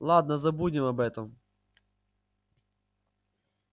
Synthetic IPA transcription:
lˠɑd̪nɐzɐbudʲɪmɐbɛt̪ɔm

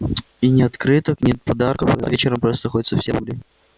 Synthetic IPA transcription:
inʲɪɐt̪kɾɨt̪əknʲɪt̪̚pɐd̪arkəfvʲet͡ɕɪɾəmpɾost̪ənɐxodʲɪt̪səfsʲebulʲɪ

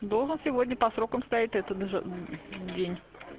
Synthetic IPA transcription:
d̪o̞lˠʐɨnsʲɪvo̞dʲnʲəpɐsɾo̞kəmst̪ɐjitʲɛt̪ət̪ | dʲenʲ

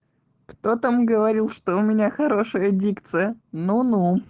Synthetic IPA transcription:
kt̪o̞t̪əmɡəvɐɾʲilˠʂt̪oʊmʲɪnʲaxɐɾo̞ʂɨjədʲikt̪sɨjənunu

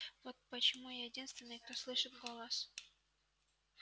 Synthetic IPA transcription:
vot̪̚pət͡ɕɪmujɛdʲinst̪vʲɪnːɨjk̚t̪oslˠɨʂɨt̪ɡolˠɑs

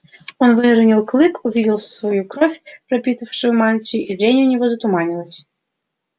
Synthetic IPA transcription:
ɔnʋɪɾʊnʲilˠklˠɪkʊʋʲidʲɪlˠsʋɔjukɾɔfʲpɾɐpʲit̪ɐwʂɪʊmɑlʲt͡sʲiizɾʲɛnʲʊnʲɔɦɔzɐt̪ʊmɑnʲɪlˠɐsʲ

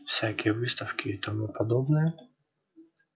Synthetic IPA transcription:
fsʲakʲiʋɪst̪ɐwkʲɪːt̪ɔmupɔd̪ɔbnɨjɛ

